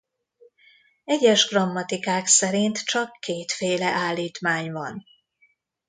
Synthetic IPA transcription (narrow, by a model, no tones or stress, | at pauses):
ɛɟɛʒɡrɒmːɒt̪ikaːksɛɾint̪t͡ʃɒkːeːt̪feːlɛʔaːlːiːt̪maːɲvɒn